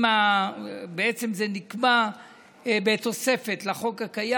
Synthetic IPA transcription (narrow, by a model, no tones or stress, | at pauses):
ma | beet͡se̞mzenikma | bet̪o̞se̞fe̞tlaχo̞kakaja